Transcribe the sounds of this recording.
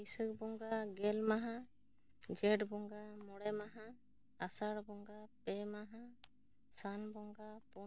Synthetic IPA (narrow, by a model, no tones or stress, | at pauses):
isək̚bɔŋɡaɡɛlmaɦa | d͡ʒɛʈbɔŋɡamɔɽɛmaɦaː | saɽbɔŋɡapɛmaɦa | sanbɔŋɡapu